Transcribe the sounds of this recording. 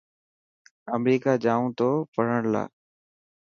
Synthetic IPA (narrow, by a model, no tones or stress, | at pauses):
əmɾiːkaːd͡ʒaːũːt̪oːpəɽ̤əɳla̰ː